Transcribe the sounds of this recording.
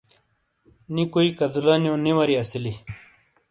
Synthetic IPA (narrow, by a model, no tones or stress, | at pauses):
nikoikɐd̪ulaːnjõːniwɐɾiɐsili